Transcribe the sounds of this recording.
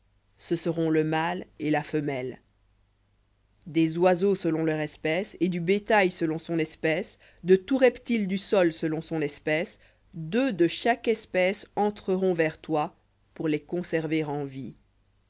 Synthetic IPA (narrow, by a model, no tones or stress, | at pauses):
səsəʁɔ̃ləmalelafəmɛl | d̪ezwazosəlɔ̃lœʁɛspɛsed̪ybet̪ajsəlɔ̃sɔ̃nɛspɛs | d̪ət̪uʁɛpt̪ild̪ysɔlsəlɔ̃sɔ̃nɛspɛs | d̪ød̪əʃakɛspɛsɑ̃t̪χəʁɔ̃vɛʁt̪wa | puʁlekɔ̃sɛʁveʁɑ̃vi